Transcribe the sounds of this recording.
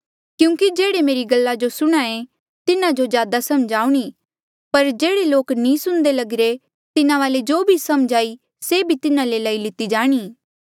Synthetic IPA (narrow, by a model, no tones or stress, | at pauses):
kjũːkid͡ʒeːɽemeːɾiɡɐlːad͡ʒosʊɽ̃aẽ | t̪ɪnãd͡ʒozjaːd̪asɐmd͡ʒaːuɽ̃i | pɐɾd͡ʒeːɽeloːknĩsʊ̃ñd̪elɐɡɾe | t̪ɪnãʋaːled͡ʒoːbʱisɐmd͡ʒʱaːi | sebʱit̪ɪnãlelaːilɪt̪id͡ʒaːɽ̃iː